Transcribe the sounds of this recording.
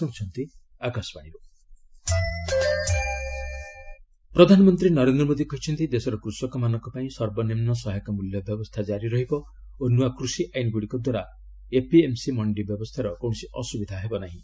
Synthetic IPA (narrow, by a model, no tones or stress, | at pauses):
ɔŋt͡ʃʰɔnt̪i | akasɔ̥paɽ̃ibɔ | pɾɔd̪ʱanɔmɔnt̪ɾinɔɾend̪ɾɔmod̪ʱikɔɦit͡ʃʰɔnt̪id̪esɔɾɔkɾusɔkɔmanɔŋkɔpaĩsɔɾbɔnemnɔsɔɦjkɔmuljɔbjɔbɔst̪ʰad͡ʒaɾiɾɔɦibɔ | onuakɾusiʔajnɡuɽikɔd̪waɾa | epiemsimɔɳɖibjɔbɔst̪ʰaɾɔkɔwɽ̃ɔsiʔɔsubid̪ʱaɦebɔnaɦĩ